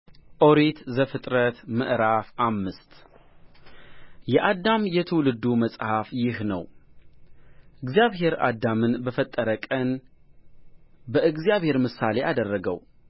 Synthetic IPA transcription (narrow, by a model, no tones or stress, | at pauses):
ʔoɾet̪zəfɨt̪ʼɾət̪mɨ̰ʔɾafʔamːɨst̪ | jɛʔad̪ːamjɛt̪ʰəwlɨd̪ːuməsʼhafjɪhnəw | ʔɨɡzjaβɦe̞ɾa̰d̪ːamɨnbəfət̪ʼːəɾəkʼən | bəɨɡzjaβhe̞ɾmɨsale̞ʔad̪ərːəɡə̰w